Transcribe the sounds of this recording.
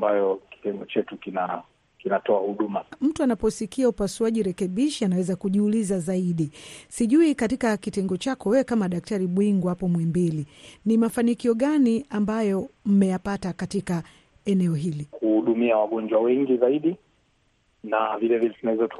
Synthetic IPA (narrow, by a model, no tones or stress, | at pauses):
mbajɔki̥tɛŋɡɔt͡ʃɛtukina | kinatɔahuɗumam̩tuanapɔsikiaupasuaʄiɾɛkɛɓiʃianawɛzakuʄiulizazaiɗisiʄuikatikakitɛŋɡɔt͡ʃakɔwɛwɛkamaɗak̚taɾiɓwiŋɡwapɔmwɛmbilinimafanikiɔɠaniambajɔm̩mɛjapatakatika | ɛnɛɔɦilikuhuɗumiawaɠɔnd͡ʒwawɛŋɡizaiɗi | navilɛvilɛtunawɛzat